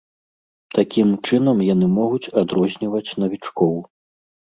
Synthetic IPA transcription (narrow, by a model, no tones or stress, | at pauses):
t̪akʲimt͡ʂɨnɐmjanɨmɔɣut͡sʲad̪ɾɔzʲnʲivɐt͡sʲnɐvʲit͡ʂkɔw